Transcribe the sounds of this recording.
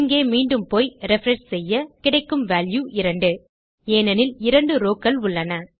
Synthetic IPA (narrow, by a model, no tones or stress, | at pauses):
ŋɡeːmiːɳɖɯmpoːjɾɛfɾɐɳʂsɛjːɐkɪɽɐɪkːɯmʋaːljuʔɪɾɐɳɖɯ | eːnɐnɪlɪɾɐɳɖɯɾoːkːɐlʊɭːɐnɐ